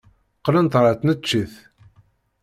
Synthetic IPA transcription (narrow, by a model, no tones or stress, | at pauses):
qːlənt̪ɾˤəθnət͡ʃːiθ